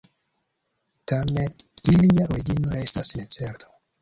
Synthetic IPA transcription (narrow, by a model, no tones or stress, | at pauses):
t̪ametiliaʔoɾiɡinoɾest̪asinet͡seɾt̪ʰo